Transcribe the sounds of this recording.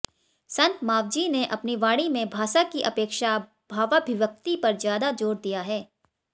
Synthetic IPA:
sɐ̃nt̪maːʋd͡ʒineʔɐpniʋaːɽimẽbʱaːʃakiʔɐpeːkʃa | bʱaːʋabʱɪʋək̚t̪ipɐɾzjaːd̪ad͡ʒoːɽd̪ijaɦɛː

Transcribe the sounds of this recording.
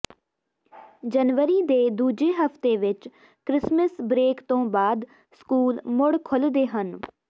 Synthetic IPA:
d͡ʒənʋəɾiːd̪eːd̪uːd͡ʒeːɦəft̪eːʋɪt͡ʃ | kɾɪsməsbɾeːkt̪õːbaːd̪ | skuːlmʊɽkʰʊld̪eːɦən

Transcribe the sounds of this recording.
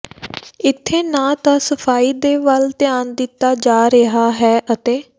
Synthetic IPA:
ɪt̪ʰːeːnãːt̪ãːsəpʰaːiːd̪eːʋəlt̪ɪaːnd̪ɪt̪ːaːd͡ʒaːɾəɦaːɦɛːʔət̪eː

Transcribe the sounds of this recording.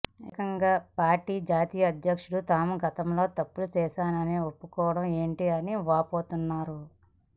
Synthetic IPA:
ekɐŋɡaːpaːɾʈiːd͡ʒaːt̪iːjɐːd̪ʱjɐkʂuɽut̪aːmuɡɐt̪ɐmlo̞ːt̪ɐpːulut͡ʃɛːʃaːnɐneopːukɔːʋɐɽɐme̞ːɳʈiɐniʋaːpoːt̪unːaːɾu

